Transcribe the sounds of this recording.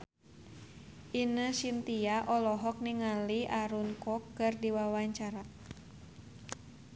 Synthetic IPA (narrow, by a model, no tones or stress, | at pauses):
ʔinəsint̪iaʔɔlɔɦɔk̚niŋaliʔaɾunkɔkːɨrdiwawaɲt͡ʃaɾa